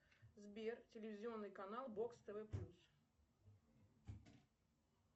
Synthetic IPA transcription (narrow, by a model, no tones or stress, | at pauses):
zbʲert͡sʲɪlʲɪvʲɪzʲɪonːɨjkanalˠbokst̪ɛvɛplʲus